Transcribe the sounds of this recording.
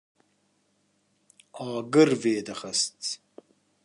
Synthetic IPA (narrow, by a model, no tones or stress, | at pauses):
ɑːɡəɾveːd̪ɐχɐst͡s